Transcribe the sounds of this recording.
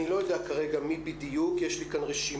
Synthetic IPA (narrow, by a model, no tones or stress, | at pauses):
ilo̞jo̞d̪eakaʁe̞ɡamibid̪ijukjeʃlikanʁeʃi